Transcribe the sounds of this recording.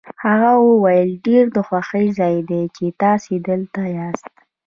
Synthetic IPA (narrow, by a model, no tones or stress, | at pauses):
haɣawəwajəlɖeɾd̪əxwaxəjzɑjd̪et͡ʃet̪ɑsid̪əlt̪ajɑst̪